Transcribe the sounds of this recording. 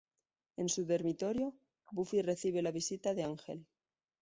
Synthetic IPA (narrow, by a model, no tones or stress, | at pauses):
e̞nsuðe̞ɾmit̪o̞ɾjo̞ | bufire̞θiβ̞e̞laβisit̪aðe̞aŋxe̞l